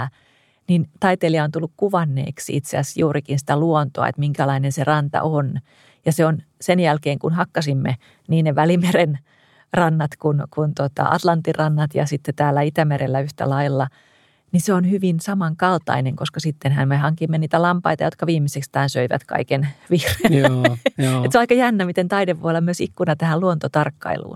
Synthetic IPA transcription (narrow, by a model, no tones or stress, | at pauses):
nint̪ɑit̪eliɑont̪ulːukkuʋɑnːḛːksiit̪seæsjuːrikinsĭ̥t̪æluont̪oɑ̰ḛt̪miŋkælɑinenserɑnt̪ɑ̰ʔon | jɑseon | senjælkeːŋkunhɑkːɑsimːe | niːneʋælimeren | rɑnːɑt̪kunkunt̪ot̪ɑ̰ʔɑ̰t̪lɑnt̪ːirɑnːɑt̪jɑ̰sit̪ːet̪æːlːæit̪æmeɾelːæyht̪æ̰lɑilːɑ | niseonhyʋinsɑmɑŋkɑlt̪ɑ̰ineŋkoskɑsit̪ːenhænmehɑŋkimːeniːt̪ælɑmpɑit̪ɑjot̪kɑʋiːmːisekst̪æːnsøiʋæ̰t̪kɑ̰ikenʋiːre | et̪seoɑikɑjænːæmit̪ent̪ɑideʋʋo̰olːɑmyøsikːunɑt̪æhæluont̪ot̪ɑrkːɑ̰ḭlṵːn